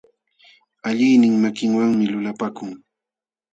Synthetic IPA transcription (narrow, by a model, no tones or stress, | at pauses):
aʎɪjnɪŋmakɪŋwaŋmɪlʊlapakʊŋ